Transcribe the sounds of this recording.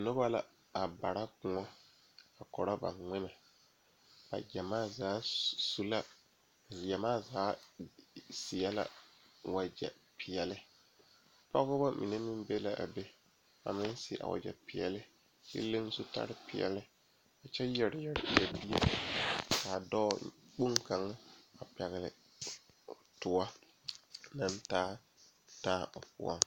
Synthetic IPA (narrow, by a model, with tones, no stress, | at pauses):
nʊ˦ba˦la̰˨ | a˨ba˨ɾa˦kʊ˨ŋɔ˦ | a˨kɔ˨ɾa˦ba̰˨nŋ͡mɪ˦na˨ | a̰˨d͡ʒɛ˨maː˦zaː˦su˦la˦ | zjɛ˨maː˦zaː˨˦ | si˨ɛ˦la̰˦ | wa˨d͡ʒɛ̰˨ | pʰi˨jɛ˨lɪ˦ | pa˦ɣʊ˦ba˦mʔḭ˨ne˦mɪ˦m˦be˦la˦ʔa̰˨be˦ | a̰˨mɪ˦n˦sɪ˦ʔa̰˨wʔa̰˨d͡ʒɛ̰˨pɪ˨ɛ˨lɪ˦ | t͡ʃḭ˦le˦ŋ˦sʊ˦ta̰˦ɾɪ˦pɪ˨ɛ̰˨lɪ˦ | a˨t͡ʃɛ˦jɛ˨ɾɪ˨jɛ˨ɾɪ̰˨ja˨bi˦ḛ˦ | kaː˨dɔ˦k͡pu˦ŋka˨ŋ˦a˨pɛ˨ɣɪ˨lɪ̰˨ | tʊ˨wa˦ | na˦ntaː˦ | taː˦˨pʊ̰˦a̰˦ŋ